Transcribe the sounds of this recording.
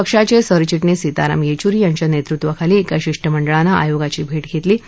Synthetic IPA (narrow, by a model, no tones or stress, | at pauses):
əkʂat͡ɕesəɾt͡ɕiʈnesit̪aɾa̰mjet͡ɕuɾiːjaɲt͡ɕjanet̪ɾut̪ʋəkʰaliːkaɕiʂʈʰəməɳɖəɭanaʔa̰joɡat͡ɕiːbʱeʈɡʱet̪liː